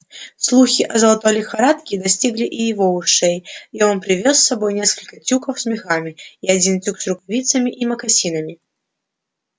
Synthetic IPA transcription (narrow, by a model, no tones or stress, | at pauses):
slˠuxʲiʔɐzɐlˠat̪ɔlʲixaɾat̪kʲid̪asʲt͡sʲiɣlʲiʔijɪvɔvɨʂɛjiɔnpɾʲɪvʲɔsːabɔjnʲɛskəlʲkɐt͡sʲukəfsʲmʲɛxamʲiiad͡zʲint͡sʲuksɾʊkavʲit̪sɐmʲiʔimɐkasʲinɐmʲi